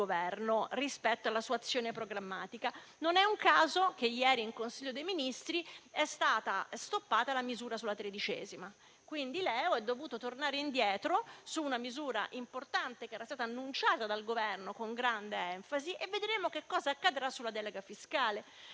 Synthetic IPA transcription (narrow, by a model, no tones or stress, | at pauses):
ovɛrnorispɛt̪ːoalːasuːaːt̪sːjoːnepɾoɡɾamːaːt̪ika | nonɛuŋkaːzok̟ejɛːɾiːŋkonsiʎːod̪ejminist̪ɾiɛst̪aːt̪ast̪opːaːt̪alamizuːɾasulat̪ɾed̪it͡ʃɛ̰ːzima | kwind̪ilɛːoɛd̪ːovuːt̪ot̪ornaːɾeind̪jɛːt̪ɾosuːnamizuːɾa̰ʔimport̪ant̪ekeɛːɾast̪aːt̪aːnːunt͡ʃaːt̪ad̪alɡovɛrnokoŋɡɾand̪eɛɱfaziʔevːed̪ɾeːmokekːɔːzaːkːad̪ɾasːulad̪ɛleɡafiskaːle